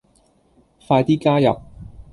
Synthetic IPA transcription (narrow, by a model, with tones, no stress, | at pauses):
faː˧jt̪iː˥kaː˥jɐ̰˨p̚